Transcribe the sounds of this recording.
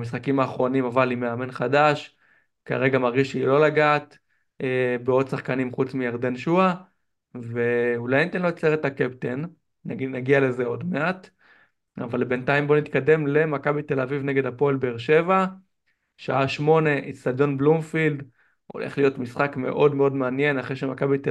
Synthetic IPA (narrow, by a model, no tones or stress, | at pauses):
misχakimaːχʁo̞nimavalime̞ame̞nχadaʃ | ka̰ʁe̞ɡamaʁɡiʃilo̞laɡaːt̪ | ebeo̞d̪saχkanimχut͡smijaʁd̪e̞nʃua | veulajnit̪enloet͡seʁet̪akept̪enː | naɡiale̞ze̞o̞d̪me̞at̪ | a̰valbe̞ntaimbo̞nitkad̪e̞mle̞makabite̞lavivne̞ɡe̞d̪apo̞elbeːʁʃe̞va | ʃaaʃmo̞ne̞ʔist̪ad̪o̞nblumfild̪ | o̞̰lʔḛχlijo̞tmisχakme̞̰ʔo̞dmeo̞dmeanje̞naχʁeʃemakabite